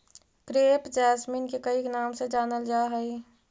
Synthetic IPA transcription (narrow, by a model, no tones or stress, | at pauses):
kɾeːpd͡ʒaːsmiːnkekəiknaːmsed͡ʒaːnəld͡ʒaːɦəi